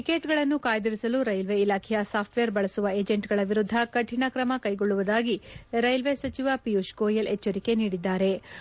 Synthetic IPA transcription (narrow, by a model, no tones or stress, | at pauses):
ikeːʈɡɐɭɐnːukaːjɐd̪ɐɾisɐluɾɐjlʋeilaːkʰɛjɐsaːpʰʈʋeːɾbɐɭɐsuʋɐeːd͡ʒeɳʈɡɐɭɐʋiɾud̪ʱːɐkɐʈʰiɳɐkɾɐmɐkɐjɡoɭːuʋɐd̪aːɡiɾɐjlʋesɐt͡ʃiʋɐpijuʃkoːjɐlɛt͡ʃːɐɾike̞niːɽid̪ːaːɾe̞